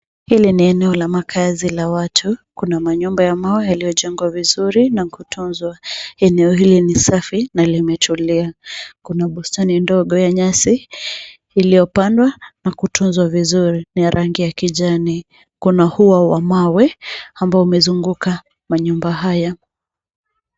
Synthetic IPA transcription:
hiliniɛnɛɔlamakʰazilawatʰukunamaɲumbajamawɛjalijɔʄɛŋɡwavizuɾinakutunzwaɛnɛɔɦilinisafinalimɛtuliakunaɓustanindɔɠɔjaɲasiː | lijɔpandwanakutʰunzwavizuɾinijaɾʔaŋɡijakiʄani | kunahuwawamawɛambaɔumɛzuŋɡuka | maɲumbaɦaja

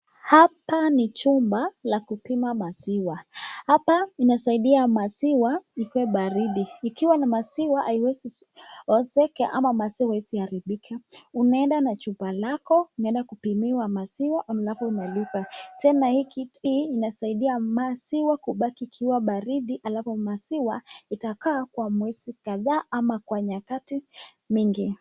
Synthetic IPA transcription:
hapanit͡ʃumbalakupimamasiwahapainasaiɗiamasiwaikwɛɓaɾiɗiːkiwanimasiwaʔaiwɛsiɔsɛkaʔamamasiwaisihaɾiɓikʰaunaɛndanat͡ʃumbalakɔunaɛndakupimiwamasiwaʔamlafɔunalipatɛnahikiiːnasaiɗiamasiwakuɓakiːkʰiwaɓaɾiɗiʔalavɔmasiwaitakaːkwamwisikaðaːamakwaɲakati | miŋɡi

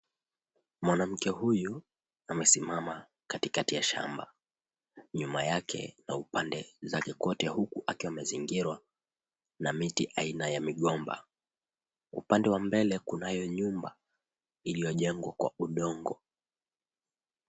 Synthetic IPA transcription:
mwanam̩kɛhuju | amɛsimama | katikatijaʃa̰mba̰ | ɲumajakʰɛ̰naupandɛzakɛkɔtɛhukuʔakiwamaziŋɡiɾwa | namitiʔainajamiɠɔmba̰ | ṵpandɛwambɛlɛkunajɔɲumba | ilijɔʄɛŋɡwakwa̰uɗɔŋɡɔ

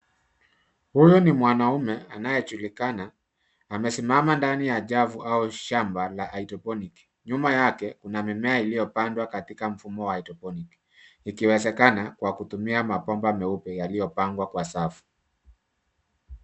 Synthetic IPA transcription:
hujɔnimwanaumɛanajɛt͡ʃulikanaː | mɛsimamandanijaʄavuʔauʃambalaʔːitɔpɔniki̥ | ɲumajakɛkunamimɛailijɔpandwakatikam̩fumɔwaaitɔpɔnik | ikiwɛzɛkanakwakutumiamapɔmbamɛupɛjalijɔpaŋɡwakwasafu̥

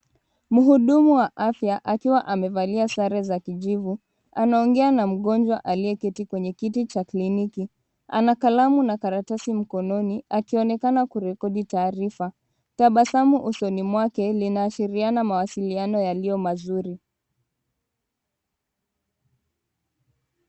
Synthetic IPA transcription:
muɦuɗumuwaʔafjaʔakiwaʔamɛvaliasaɾɛzakiʄivu | anaɔŋɡɛanam̩ɠɔnd͡ʒwaʔaliɛkitikwɛɲɛkitit͡ʃakliniki | a̰nakalamunakaɾatasim̩kɔnɔniakiɔnɛkanakuɾɛkɔɗitaːɾifa | taɓasamuʔusɔnimwakɛlinaːʃiɾianamawasilianɔjalijɔmazuɾi

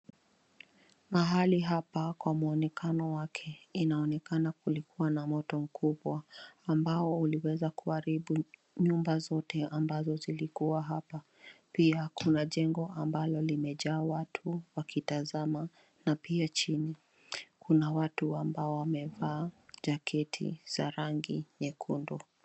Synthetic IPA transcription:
maɦaliɦapakwamuɔnɛkanɔwakʰɛinaɔnɛkanak̚ulikuwanamɔtɔm̩kuɓwaːmbaɔuliwɛzakuaɾiɓu | ɲumbazɔtɛambazɔzilikuwaɦapa | piakunaʄɛŋɡɔambalɔlimɛʄaːwatʰuwakitazama | napiat͡ʃini | kunawatuambaɔwamɛvaːʄakʰɛtʰḭz̥aɾaŋɡiɲɛkʰundɔ

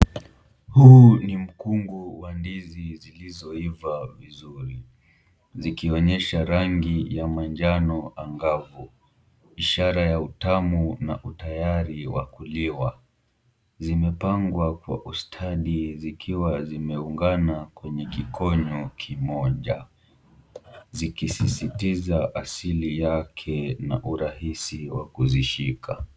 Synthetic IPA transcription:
hunim̩kuŋɡuwandizizilizɔivavizuɾi | zikiɔɲɛʃaɾaŋɡijamand͡ʒanɔaŋɡavu | iʃaɾajautamunaʔutajaɾiwa̰kuliwa | zimɛpaŋɡwakwa̰ʔustʰaɗizikʰiwazimɛuŋɡanakwɛɲɛkikɔɲɔkʰimɔʄa | zikisisitizaʔasilijakʰɛnaʔuɾahisiwa̰kuziʃikʰa

